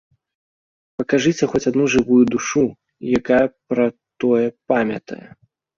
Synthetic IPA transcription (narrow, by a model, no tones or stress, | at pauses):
pɐkaʐɨt͡sʲɛxɔt͡sʲad̪nuʐɨvujud̪uʂu | jakajɐpɾɐt̪ɔjɛpamʲɐ̰t̪ɐ̰jɛ̰